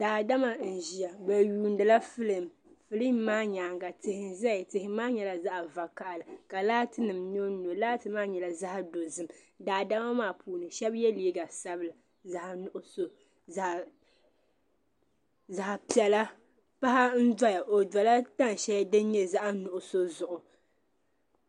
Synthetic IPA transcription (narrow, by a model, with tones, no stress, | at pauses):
d̥aː˨da˦ma˨n̩˨ʒi˨ja˨bɛ˨juː˨ndɨ˨la˦fɨ˦lɨ˦˨m | fɨ˦lɨ˦mː˦aː˦ɲa˨ŋɡa˨tɪ˨hɪ˨n˨za˦ɪ˨tɪ˨hɪ˦maː˦ɲɛ˨la˨za˦ʔa˨va˨ka˨ʔa˨lɨ˨ka˨laː˦tɨ˦nɨ˨mɲo˦no˨laː˦tɨ˦maː˦ɲɛ˨la˨za˦ha˦do˨zɨ˨m˨ | daː˨da˦ma˦maː˦˨pʰuː˨˦nɨ˨ʃɛ˦bjɛ˦liː˦ɡa˨sa˦bɨ˨la˨ | za˨hnʊ˨ʔʊ˦so˦˨ | za˨hpi˨ɛ˨la˦ | pa˦ha˦n̩˦da˦ja˨ʔo˨da˨la˦ta˦n˨ʃɛ˦ja˦dɨ˦n˦ɲɛ˦za˦ʔa˦nʊ˨ʔʊ˨so˦zʊ˨ʔʊ˨